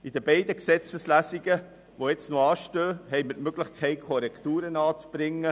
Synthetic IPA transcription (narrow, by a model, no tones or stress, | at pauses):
id̥əbɛɪd̪əksɛt͡səslæːsiɡə | ʋoɛt͡snoɑːʃtøːɦɛɪmətmøɡ̥lɪχkʰɛɪkʰɔɾɛkt̪uːɾənɑːt͡sb̥ɾɪŋːə